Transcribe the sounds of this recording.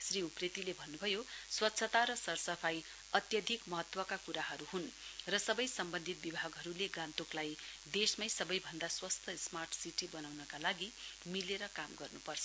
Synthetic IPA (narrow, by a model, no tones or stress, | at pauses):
sriupret̪ilebʱʌnːubʱʌjoswʌt̪ːsʰʌt̪aɾʌsʌrsʌpʰaj | ʌt̪jʌd̪ʱikmʌɦʌt̪wʌkakuɾaɦʌɾuɦunrʌsʌbʌjsʌmbʌnd̪ʱit̪̚bibʱaɡɦʌɾuleɡãnt̪oklajd̪esmʌjsʌbʌjbʱʌnd̪aswʌst̪ʰʌsmarʈʰsiʈibʌnawnʌkalaɡimileɾʌkamɡʌrnupʌrt͡sʰʌ